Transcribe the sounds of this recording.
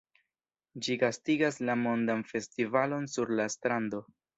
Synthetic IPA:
d͡ʒiɡastiɡaslamo̞ndanfe̞stivalo̞nsuɾlastɾando̞

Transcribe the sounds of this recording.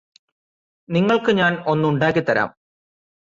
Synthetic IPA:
niŋːɐɭkɨɲaːno̞nːɨuɳɖaːk̬ːit̪ːɐɾa̰ːm

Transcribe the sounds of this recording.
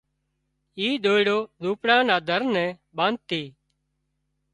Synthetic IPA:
iːɗ̪oːiɽoːzuːpɽãːnaːd̪ʱəɾnɛ̃ː | ɓãːn̚t̪iː

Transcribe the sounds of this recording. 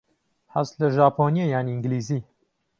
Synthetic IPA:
hɐst̪lɐʒaːpʰoːniɐjaːniiŋɡliːziː

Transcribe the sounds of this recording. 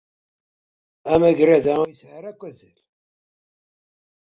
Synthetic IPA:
æmæʝɾæðæjəsʕəɾækʷːæzəl

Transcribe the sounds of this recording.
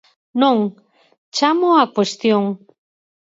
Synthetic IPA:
nõŋ | t͡ʃamoakwest̪joŋ

